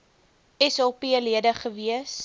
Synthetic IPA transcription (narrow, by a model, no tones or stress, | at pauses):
ɛsɑpiəliədəχəviəs